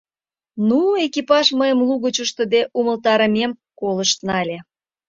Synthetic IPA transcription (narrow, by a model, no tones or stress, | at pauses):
nuekipɑʒməjəmluɣət͡ɕuʃt̪ə̆d̪eʔuməlt̪ɑɾəmemkoləʃt̪nɑlʲe